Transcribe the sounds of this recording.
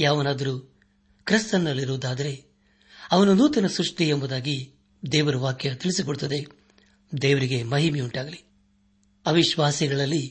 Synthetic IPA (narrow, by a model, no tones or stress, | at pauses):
jaːʋɐnaːd̪ɐɾu | kɾist̪ɐnːɐlːiɾuʋud̪aːd̪ɐɾe̞ | ɐʋɐnunuːt̪ɐnɐsɾuʂʈiembɐd̪aːɡi | d̪ɛːʋɐɾuʋaːkjɐt̪iɭisikoɭut̪ːɐd̪e̞ | d̪ɛːʋɐɾiɡe̞mɐɦimiuɳʈaːɡɐli | ɐʋiʃʋaːsiɡɐɭɐlːi